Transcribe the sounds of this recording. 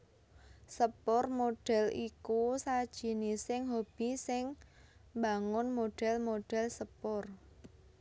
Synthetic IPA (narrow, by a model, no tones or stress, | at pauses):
səpʊrmoɖ̥ɛ̤likusad̥ʒ̥i̤nisɪŋɦob̥i̤sɪŋbaŋʊnmoɖ̥ɛ̤lmoɖ̥ɛ̤lsəpʊr